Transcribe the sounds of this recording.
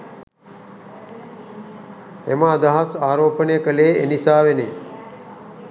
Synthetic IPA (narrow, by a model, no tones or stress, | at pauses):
ḛməːd̪aɦasaːɾoːpənəjəkəleːḛnisaːʋenḛ